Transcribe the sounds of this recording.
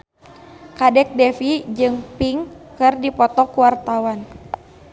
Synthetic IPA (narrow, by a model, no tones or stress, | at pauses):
kadɛk̚dɛfid͡ʒɨŋpiŋkɨrdipɔt̪ɔkuwart̪awan